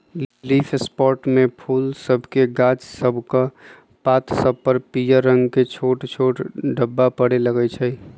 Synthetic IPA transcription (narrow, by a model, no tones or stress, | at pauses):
llipʰespɔɾʈmepʰulsəbʱkeɡat͡ʃsəbʱka | pat̪səbpəɾpijəɾːəŋɡket͡ʃʰoʈt͡ʃʰoʈɖəbːapəɽeləɡɛt͡ʃʰəj